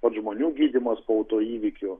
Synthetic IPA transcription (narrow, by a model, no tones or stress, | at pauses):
pɐt̪ʒmoːnʲuːɡʲiːd̪ʲɪmɐspoːɐʊt̪oːiːʋʲɪkʲʊ